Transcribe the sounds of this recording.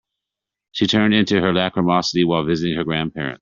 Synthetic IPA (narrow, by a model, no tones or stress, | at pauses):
ʃitʰɜ̃˞ndɪ̃ntʉə˞lækʰɹəmɑsəɾiwaɪlˠvɪzɨɾɪ̃ŋə˞ɡɹæ̃npʰɛ̰ɹɨ̰̃nt̚